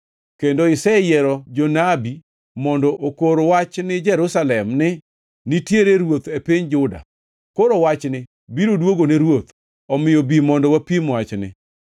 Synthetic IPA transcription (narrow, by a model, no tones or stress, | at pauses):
kendoɪsɛjɛɾɔd͡ʒɔnabi | mɔndɔʔokoɾowat͡ʃnɪd͡ʒɛɾʊsalɛmnɪ | nitjeɾeɾwot̪epiɲd͡ʒʊda̰ | koɾowat͡ʃnɪ | biɾodwoɡoneɾwot̪ | ɔmɪjobimɔndɔwapimwat͡ʃnɪ̰